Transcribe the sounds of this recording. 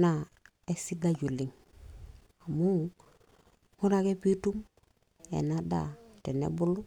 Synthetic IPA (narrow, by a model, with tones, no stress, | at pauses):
na˦˨ | e˦si˦ɡa˦ɟu˨li˨ŋ | a˨mu˦ | hu˦ɾa˦ke˦pi˦tu˦m | ḛ˨na˦da̰˦˨te˨nḛ˦bu˦lu˦